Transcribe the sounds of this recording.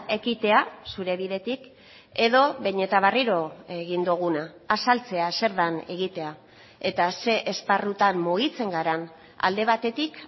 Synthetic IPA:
e̞kit̪e̞asuɾe̞βiðe̞t̪ik | e̞ðo̞βe̞ɲe̞t̪aβ̞ariɾo̞e̞ɣind̪uɣ̞unaː | salt͡se̞ase̞ɾðane̞ɣit̪e̞a | e̞t̪ase̞ʔesparut̪ammuɣit͡se̞ŋɡaɾan | a̰ld̪e̞β̞at̪e̞t̪ik

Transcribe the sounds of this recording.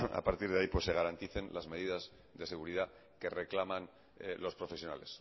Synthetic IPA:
a̰paɾt̪iɾðaipwo̞sːeɣ̞aɾant̪iθe̞nlʔazme̞ð̞iðaz | ðe̞se̞ɣuɾiða | ke̞re̞klamãn | lo̞spɾo̞fe̞sjona̰le̞s

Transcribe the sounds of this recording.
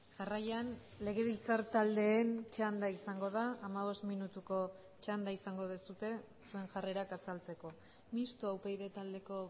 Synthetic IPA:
ʝarajan | le̞ɣ̞e̞β̞ilt͡saɾt̪ald̪e̞ːnt͡ʃand̪aisaŋɡo̞ð̞aːmaβ̞o̞st̪minut̪uko̞ | t͡ʃand̪aisaŋɡo̞ðesut̪e̞ | sue̞ŋʝare̞ɾakasalt͡se̞ko̞ | mist̪uawpejðe̞t̪ald̪e̞ko̞

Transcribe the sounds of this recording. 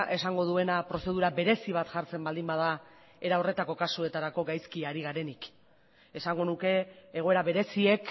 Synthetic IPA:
ʔe̞saŋɡo̞ð̞ue̞napɾo̞se̞ð̞uɾabe̞ɾe̞siβ̞at̪ʝaɾt͡se̞mbald̪imbaða | e̞ɾao̞re̞t̪ako̞kasue̞t̪aɾako̞ɡajskiaɾiɣaɾe̞nik | e̞saŋɡo̞nuke̞ːɣo̞e̞ɾaβe̞ɾe̞sie̞k

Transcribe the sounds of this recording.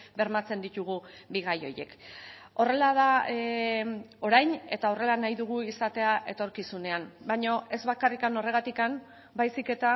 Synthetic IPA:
be̞ɾmat͡se̞nd̪it̪uɣ̞ubiɣajo̞je̞̰ko̞re̞laða | o̞ɾajne̞t̪ao̞re̞lanajðuɣ̞uisat̪e̞aʔe̞t̪o̞ɾkisune̞ambaɲo̞ʔe̞zβakarikano̞re̞ɣ̞at̪ikam | bajsike̞t̪a

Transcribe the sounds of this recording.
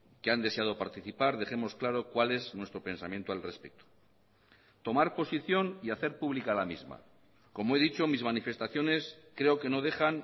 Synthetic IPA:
keand̪e̞seað̞o̞paɾt̪iθipaɾð̞e̞χe̞mo̞sklaɾo̞kwale̞znwe̞st̪ɾo̞pe̞nsamjent̪oalre̞spek̚t̪o̥ | t̪o̞maɾpo̞siθjo̞niaθe̞ɾpuβlikalamizma̰ | ko̞moe̞ðit͡ʃo̞mizmanife̞st̪aθjo̞ne̞skɾe̞o̞ke̞no̞ð̞e̞χan

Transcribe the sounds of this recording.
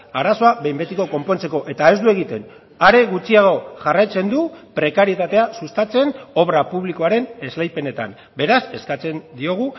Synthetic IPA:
aɾaso̞aβe̞jmbe̞t̪iko̞ko̞mpo̞nt͡se̞ko̞ʔet̪ae̞zd̪ue̞ɣ̞it̪e̞n | aɾe̞ɣut͡siaɣo̞ʝarajt͡se̞nd̪upɾe̞kaɾie̞t̪at̪e̞asust̪at͡se̞no̞βɾapuβliko̞aɾe̞ne̞zlajpe̞ne̞t̪a̰m | be̞ɾase̞skat͡se̞nd̪io̞ɣ̞u

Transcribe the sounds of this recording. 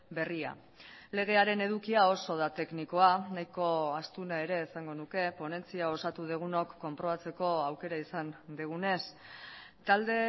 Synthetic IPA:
be̞ria̰ | le̞ɣ̞e̞aɾe̞ne̞ðukiao̞so̞ð̞at̪e̞kniko̞anajko̞ast̪unae̞ɾe̞ːsaŋɡo̞nuke̞po̞ne̞nt͡siao̞sat̪uð̞eɣ̞uno̞kːo̞mpɾo̞β̞at͡se̞ko̞awke̞ɾaisand̪eɣ̞une̞s | t̪ald̪e̞

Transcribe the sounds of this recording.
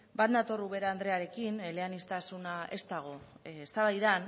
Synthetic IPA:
bat̪d̪at̪o̞ruβe̞ɾaːnd̪ɾe̞aɾe̞kinleanist̪asunaʔe̞st̪aɣ̞o̞est̪aβajðan

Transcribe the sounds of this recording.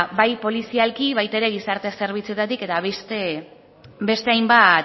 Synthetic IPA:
bajpo̞lisialkiβ̞ajt̪aeɾe̞ɣisaɾt̪e̞se̞ɾβ̞it͡se̞t̪at̪ike̞t̪aβest̪e | be̞st̪e̞ajmbat̪

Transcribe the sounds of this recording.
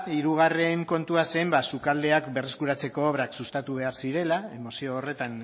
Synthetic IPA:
iɾuɣ̞are̞ŋko̞nt̪uase̞mbasukald̪e̞akbe̞re̞skuɾat͡se̞ko̞ːβ̞ɾaksust̪at̪uβ̞e̞aɾsiɾe̞lae̞mo̞sio̞ːre̞t̪an

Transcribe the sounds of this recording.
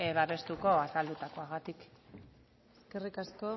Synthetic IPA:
βaβe̞st̪uko̞asald̪ut̪ako̞aɣat̪ik | eske̞rikasko̞

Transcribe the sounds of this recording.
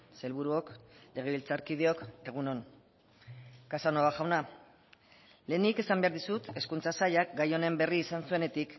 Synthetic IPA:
se̞lβuɾuo̞kle̞ɣ̞e̞β̞ilt͡saɾkið̞eo̞ke̞ɣ̞uno̞n | kasanoaʝawna | le̞ːnike̞sambe̞aɾðisut̪e̞skunt͡sasaʎak̚ɡajo̞ne̞mbe̞riːsansue̞ne̞t̪ik

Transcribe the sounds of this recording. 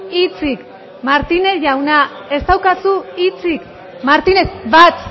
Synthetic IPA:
it͡sik | maɾt̪ine̞ʝawna | e̞st̪awkasuit͡sik | maɾt̪inekbat̪

